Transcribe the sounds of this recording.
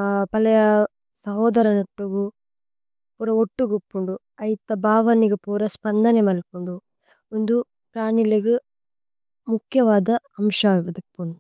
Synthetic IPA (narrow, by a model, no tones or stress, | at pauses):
pɐlɐjɐ | sɐɦɔːd̪ɐɾɐnɐʈːuɡu | puːɾɐoʈːuɡupːuɳɖu | ɐjit̪ɐbʱaːʋɐniɡipuːɾɐspɐnd̪ʱɐnemɐlikuɳɖu | ond̪u | pɾaːɳilɐɡi | mukʰjɐʋaːd̪ɐɐmʂaʋɐd̪ipːund̪u